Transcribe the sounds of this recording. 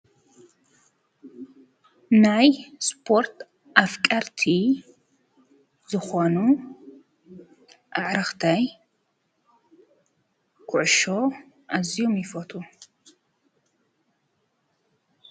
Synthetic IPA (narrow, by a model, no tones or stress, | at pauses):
najspʰoɾt̪ʰ | ʔafkʼɐɾt̪ʰi | zɨxʷɐnu | ʔaʕɾɨxt̪ʰɐj | kʰʊʕʊʃo | ʔazijumjɪfɔt̪ʰʼu